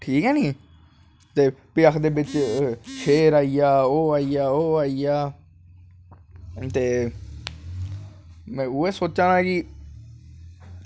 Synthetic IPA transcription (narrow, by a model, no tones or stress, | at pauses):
ʈʰiːkɦɛːnĩː | t̪eːpɪəkʰd̪eːbɪt͡ʃʃʰeːɾaːiːjaːoːaːijaːoːaːijaː | t̪eː | mɛ̃ːʊːeːsoːt͡ʃãːnãːkɪ